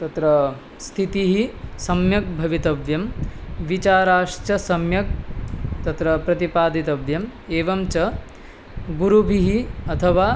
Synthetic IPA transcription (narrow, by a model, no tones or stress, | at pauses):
t̪ɐt̪ɾɐ | st̪ʰit̪iɦisɐmjɐk̚bʱɐʋit̪ɐʋjɐmʋit͡ʃaːɾaːʂt͡ʃɐsɐmjɐk̚t̪ɐt̪ɾɐpɾɐt̪ipaːd̪it̪ɐʋjɐmeːʋɐmt͡ʃɐ | ɡuɾubʱiɦiɐt̪ʰɐʋaː